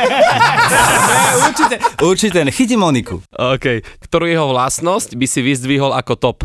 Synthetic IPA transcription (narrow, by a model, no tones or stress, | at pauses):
ɛuɾt͡ʃitɛuɾt͡ʃitɛxic̬imɔnikṵɔːkɛjkt̪ɔɾuːjɛɦɔʋlasnɔscbisiʋizd̪ʋiɦɔlakɔt̪ɔp